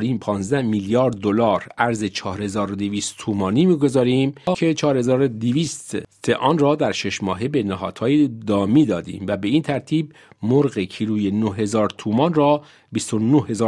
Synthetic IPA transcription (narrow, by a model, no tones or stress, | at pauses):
ɾiːmpʰɒːnzd̪æhmiljɒːɾd̪ːolɒːɾʔæɾzet͡ʃʰɒːhɾhe̞zɒːɾod̪eviːst̪t̪ʰuːmɒːniːmiːɡo̞zɒːɾiːmkʰet͡ʃʰɒːɾhe̞zɒːɾod̪iviːst̪seʔɒːnrɒːd̪æɾʃe̞ʃmɒ̰ːɦe̞be̞næɦɒːd̪̥hɒːjed̪ɒːmiːd̪ɒːd̪ḭːmvæbe̞iːnt̪ʰæɾt̪ʰiːb̚ | moɾɣecʰiɾuːjenohɦhe̞zɒːɾt̪ʰuːmɒnrɒː | bist̪onohe̞zɒː